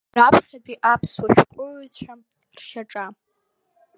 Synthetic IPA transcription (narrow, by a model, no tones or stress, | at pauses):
rapʰχʲadʷiʔapʰswaʃᶣqʷʼʊʕt͡ɕʷʰa | rʃaʈ͡ʂʼa